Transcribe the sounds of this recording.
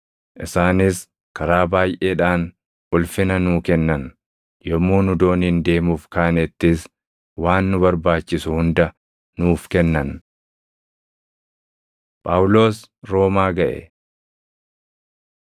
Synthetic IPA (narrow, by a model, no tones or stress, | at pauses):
ʔɪsaːnɪs | kɐɾaːbaːjʔeːᶑaːn | ʔʊlfɪnɐnuːkɛnːɐn | jɔmːuːnʊd̪o̞ːnɪnd̪e̞ːmuːfkaːnɛt̪ːɪs | waːnːʊbɐɾbaːt͡ʃːɪsʊhʊnd̪ɐ | nuːfkɛnːɐn | pʼaːwʊlo̞ːsɾo̞ːmaːɡɐʔɛ̰